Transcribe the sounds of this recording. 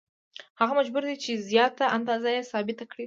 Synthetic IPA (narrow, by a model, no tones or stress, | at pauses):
haɣamad͡ʒbuɾd̪et͡ʃezjɑt̪aʔand̪ɑzajesɑbɪt̪akɽi